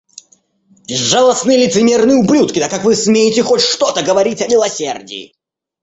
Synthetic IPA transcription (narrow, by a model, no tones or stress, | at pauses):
bʲɪzːalˠəsnɨjlʲɪt̪sɨmʲernɨjʊblʲut̪kʲɪt̪akːakvɨsmʲejɪtʲɪxotʲʂt̪ot̪əɡəvɐɾʲitʲɐmʲɪlˠɐsʲerdʲɪ̰ɪ̰